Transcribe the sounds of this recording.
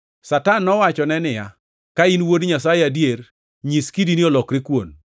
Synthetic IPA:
satanːɔwat͡ʃɔnɛnɪja | kainwodɲasajeadjer | ɲiskidiniɔlɔkɾɪkwon

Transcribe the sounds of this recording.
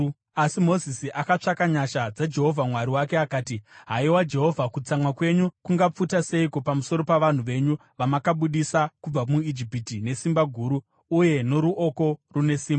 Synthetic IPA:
asimo̞zisiʔakat͡ʂakaɲaʃad͡zad͡ʒe̞ɦo̞vʱamwaɾiwake̞akaːtiɦaiwad͡ʒe̞ɦo̞vʱakut͡samwakwe̞ɲukuŋɡap͡futase̞ikopamuso̞ɾo̞paʋan̤uʋe̞ɲu | ʋamakaɓuɗisakub͡vamuid͡ʒipitine̞simbaɡʱuːɾu | uje̞no̞ɾuʔo̞ko̞rune̞siːmba

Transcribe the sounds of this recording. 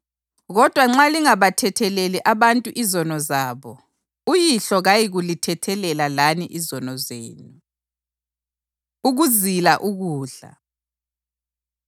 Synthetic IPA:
ɣɔd̥ʱwaŋ͡ǁaliŋaβatʰɛtʰɛlɛlɛʔaβantʼuʔizɔnɔzaːβɔ | ujiɬɔɣajiɣulitʰɛtʰɛlɛlalaniʔizɔnɔzeːnu | uɣuzilaʔuɣuːɮa̰

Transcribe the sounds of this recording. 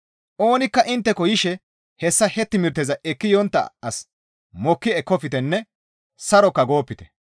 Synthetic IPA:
ʔo̞ːnɪkːɐʔɪnt̪ːɛkɔjɪʃɛ | hɛsːɐhɛt̪ːɪmɪɾt̪ːɛzɐʔɛkːɪjɔnt̪ːɐ̰ɐs | mɔkːɪɛkːɔfɪt̪ɛnːɛ | sɐɾɔkːɐɡo̞ːpːɪt̪ɛ̥

